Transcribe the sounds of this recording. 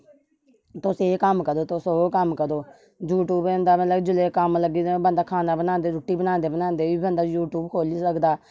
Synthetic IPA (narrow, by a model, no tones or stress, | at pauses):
t̪ʊseːkəmkəd̪oːt̪ʊsoːkəmkəɾdoː | juːʈuːbẽnd̪aːmələkd͡ʒʊleːkəmləɡiːbənd̪aːkʰaːnaːbənaːnd̪eːɾʊʈːiːbənãːnd̪eːbənãːnd̪eːʋiːbə̃nd̪aːjuːʈuːbkʰoːliːsəkd̪aː